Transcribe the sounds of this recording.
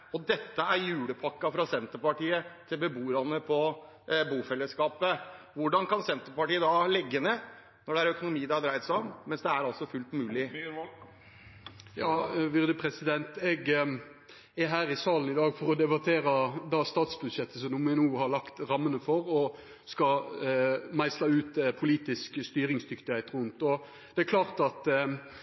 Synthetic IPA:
ɔd̪ɛt̪ːəæɾjʉːɽəpʰɑkːɑfɾɑsɛnt̪əɾpɑʈiːət̪ʰɪlbəbuːɾɑnːəpʰɔ | buːfɛlːəskɑːpəʋʊɖɑnkɑnsɛnt̪əɾpɑʈiːəd̪ɑlɛɡːəneː | nɔɖɛæɾœkʊnʊmiːd̪ɑɑd̪ɾæɪt̪sɔmmɛnsd̪ɛæɾɑlsɔfʉlt̪mʉːlɪ | jɑːʋɪɾd̪əpʰʁɛsɪd̪ɛnt̪ɛɡ | æɦæːɾɪsɑːln̩ɪd̪ɑːɡfɔʁɔd̪ɛbɑt̪ʰeːɾɑd̪ɑːst̪ɑːt̪sbʉd̪ʃɛt̪ʰːəsɔmnʊmɛnuːhɑɾlɑkt̪ɾɑmːənəfɔɾɔ | skɑ | mæɪslɑʉːt̪pʰʊliːt̪ɪskst̪yːɾɪŋsd̪ʏkt̪ɪhæɪt̪ʁʉnt̪ɔ | d̪ɛækʰlɑːʁt̪ɑt̪

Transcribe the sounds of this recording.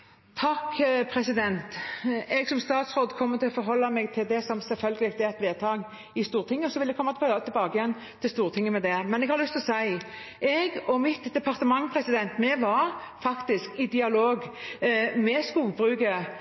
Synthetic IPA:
t̪ʰɑkpʰɾɛsɪd̪ɛnt̪ɛɡsɔmst̪ɑːt̪sɾoːd̪kʰɔmːət̪ʰɪlɔfɔɾɦɔlːɑmɛɡ̚t̪ʰɪld̪ɛsɔmsɛlfœlɡəlɪɡt̪ɛɛt̪ʋeːt̪ʰɑːɡ | ɪst̪uːʁɾt̪ʰɪŋːəsɔʋɪld̪ɛkʰɔmːɑt̪t̪ʰɪlbɑːɡəjɛnː | t̪ʰɪlst̪uːʁt̪ʰɪŋːəmɛd̪ɛmɛnɛɡhɑɾlʉst̪ɔsæɪ | ʔɛɡɔmɪt̪d̪ɛpʰɑɾt̪əmɑŋpʰɾɛsɪd̪ɛnt̪mɛʋɑɾ | fɑkt̪ɪskɪd̪ɪɑloːɡ | mɛskuːɡbɾʉːɡə

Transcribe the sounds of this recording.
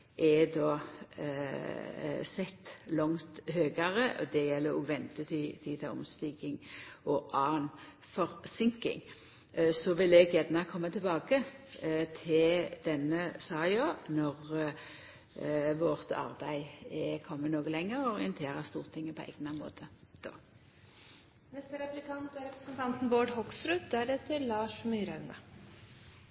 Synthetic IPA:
ʔɛd̪ɔː | sɛt̪ːlɔŋt̪høːɡɑʁəʔɔ̰d̪ɛjɛlːəɾɔ̰ːɡʋɛnt̪ət̪ʰit̪ʰit̪ʰɛʊ̰mst̪iːɡɪŋʔɔʔɑːn | fɔɾsɪŋkɪ̰ŋ | sɔʋɪlɛɡjɛd̪nɑkʰɔmːət̪ʰɪlbɑːɡət̪ʰɪld̪̥ɛnːəsɑːoːnɔʁ | ʋɔʁt̪ɑ̰ʁbæɪɛkʰɔmːənoːɡəlɛŋːəʁɔʁɪənt̪ʰeːʁɑst̪uːʁt̪ʰɪŋːəpʰɔæ̰ɡnɑmo̰ːt̪ʰəd̪̥o̰ː | nɛst̪əɾɛplɪkʰɑnt̪əɾɛpɾəsn̩t̪ʰɑnt̪n̩boːɖhɔksɾʉt̪̚d̪æɖɛt̪ʰɪlːɑːʂmyːɾænə̰

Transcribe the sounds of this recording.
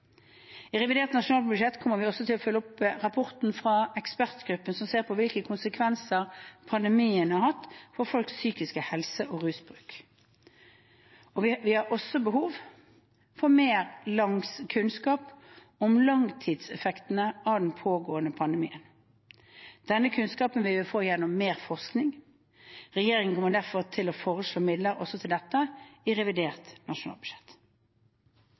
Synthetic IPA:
ɪʁɛʋɪd̪eːʁt̪nɑʂʊnɑːl̚bʉd̪ʃɛt̪ːkʰɔmːəʁʋɪɔsɔt̪ʰɪlɔfœlːɔpʁɑpʰɔʁt̪n̩fʁɑɛkspæʁt̪ɡ̥ɾʉpːənsɔmseːʁpʰɔʋɪlkəkʰʊnsəkʰʋɛnsəʁpʰɑnd̪ɛmiːənɑʁhɑt̪ːfɔʁfɔlksːyːkɪskəhɛlsəʔoːʁʉːsbʁʉːk | ɔʋɪhɑʁɔsːɔbəɦuːʋ | fɔʁmeːʁlɑŋskʰʉnskɑːp | ɔmlɑŋt̪ʰiːd̪sɛfɛkt̪nəʔɑʋd̪ɛnpʰoːɡoːənəpʰɑnd̪ɛmiːən | d̪̥ɛnːəkʰʉnskɑːpənʋɪʋɪlfoːjɛnːʊmːeːʁfɔʁsknɪŋ | ʁɛjeːɾɪŋənkʰɔmːəʁd̪æʁfɔʁt̪ʰɪlɔfoːʁəʂɭoːmɪd̪ləɾɔsːɔt̪ʰɪld̪ɛt̪ːəɪʁɛʋɪd̪eːʁt̪nɑʂʊnɑ̰ːlbʉ̥ʃɛt̪ː

